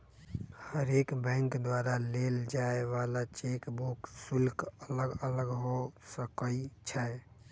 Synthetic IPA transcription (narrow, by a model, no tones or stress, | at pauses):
həɾekbə̃ŋkd̪waɾaleld͡ʒaeʋalat͡ʃekbuksulkələɡələɡɦosəkəit͡ʃʰa